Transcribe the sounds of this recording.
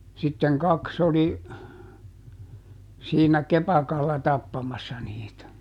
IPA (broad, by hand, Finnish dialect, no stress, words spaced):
sitːeŋ kɑks oli siːnæ kepɑkɑlːɑ tɑpːɑmɑsːɑ niːtæ